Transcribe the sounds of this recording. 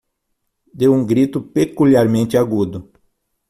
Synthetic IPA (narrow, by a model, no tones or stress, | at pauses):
d̪ewũŋɡɾit̪ʊpekuliaɾmẽnt̪ɪaɡud̪ʊ